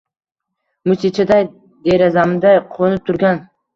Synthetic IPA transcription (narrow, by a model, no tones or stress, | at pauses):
mʊsit͡ʃʰad̪aj | d̪eɾazamd̪ajqʰonɪp̚t̪ʰʊɾɡʲan